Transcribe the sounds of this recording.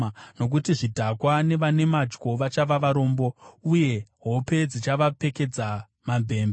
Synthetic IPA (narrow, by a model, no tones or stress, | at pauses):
no̞k̬utiʐidʱakwane̞ʋane̞mad͡ʒko̞ʋat͡ʃaʋaʋaɾo̞ːmbo̞uje̞ɦo̞pe̞d͡zit͡ʃaʋape̞ke̞d͡za | mambʱe̞ːmba